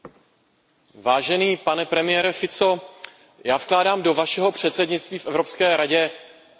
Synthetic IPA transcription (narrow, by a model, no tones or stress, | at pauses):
vaːʒɛniːpanɛpɾɛmɪjɛɾɛfɪt͡so | jaːfklaːdaːmdo̞vaʃɛɦo̞pr̝̥ɛt̪sɛdɲɪt͡st̪viːfʔɛvɾo̞pskɛːɾaɟɛ